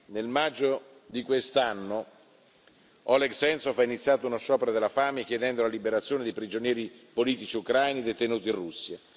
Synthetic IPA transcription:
nelmad͡ʒːo | d̪ikwest̪anːo | ɔlɛɡsɛnt̪sofainit̪sːjaːt̪ounoʃːɔːpeɾod̪elːafaːmekjed̪ɛnd̪olalibeɾat̪sːjoːned̪epɾid͡ʒonjɛːɾipoliːt̪it͡ʃiukɾajnid̪et̪enuːt̪inrusːja

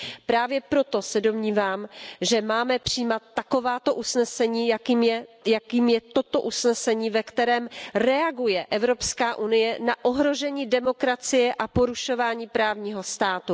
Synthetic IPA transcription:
pɾaːvjɛpɾo̞t̪o̞sɛdo̞mɲiːvaːmʒɛmaːmɛpr̥iːmat̪̚ːako̞vaːt̪o̞ʔusnɛsɛɲiːjakiːmjɛjakiːmjɛt̪o̞t̪o̞ʔusnɛsɛɲiːvɛkt̪ɛɾɛːmrɛaɡujɛʔɛvɾo̞pskaːʔunɪjɛnaʔo̞ɦɾo̞ʒɛɲiːdɛmo̞kɾat͡sɪjɛʔapo̞ɾuʃo̞vaːɲiːpɾaːvɲiːɦo̞st̪aːt̪u

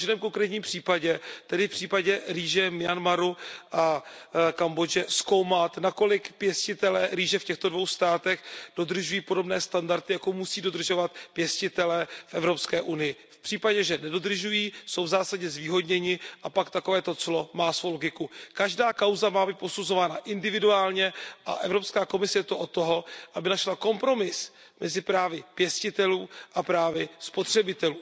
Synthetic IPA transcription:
ʒnɛːmko̞ŋkɾɛːt̪ɲiːmpr̝̥iːpaɟɛt̪ɛdɪfpr̝̥iːpaɟɛɾiːʒɛmɪanmaɾuʔakambo̞d͡ʒɛsko̞wmat̪nako̞lɪkpjɛscɪt̪ɛlɛːɾiːʒɛfcɛxt̪o̞dvo̞wst̪aːt̪ɛxd̥o̞d̪r̩ʒujiːpo̞do̞bnɛːst̪andaɾt̪ɪjakomusiːdo̞d̪r̩ʒo̞vat̪pjɛscɪt̪ɛlɛːfʔɛvɾo̞pskɛːʔunɪjɪfpr̥iːpaɟɛʒɛnɛdo̞d̪r̩ʒujiːso̞wvzaːsaɟɛzviːɦo̞d̪ɲɛɲɪʔapakt̪ako̞vɛːt̪o̞t͡slo̞maːsvoloɡɪkukaʒdaːkawzamaːbiːt̪̚po̞suzo̞vaːnaʔɪndɪvɪduaːlɲɛʔa̰ʔɛvɾo̞pskaːko̞mɪsɛjɛt̪oʔo̞t̪ːo̞ɦo̞ʔabɪnaʃlako̞mpɾo̞mɪs | mʔɛzɪpɾaːvɪpjɛscɪt̪ɛluːʔapɾaːvɪspo̞t̪r̝̥ɛbɪt̪ɛluː

